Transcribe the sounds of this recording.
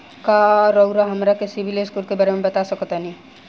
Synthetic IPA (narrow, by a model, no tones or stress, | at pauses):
kaɾəʊɾaɦɐmɾakɪsibʱileskuːlkebaːɾemẽbɐt̪asəkt̪anĩ